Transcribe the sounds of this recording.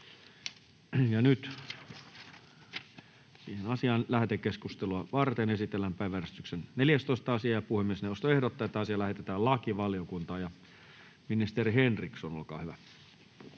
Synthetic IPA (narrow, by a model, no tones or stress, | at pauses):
jɑnyt̪ | siːhenɑsiɑːnlæht̪ekeskust̪eluɑʋɑrt̪enesit̪elːæmpæˑiʋænyst̪yksenneljæst̪oist̪ɑɑsiɑːjɑpuhemːiesneost̪oehdot̪ːɑːet̪ːæɑsiɑlæhet̪et̪æːllɑkiʋɑljokunt̪ɑːjɑ | minist̪eriɦenriksono̰lkɑ̰ːhyʋæ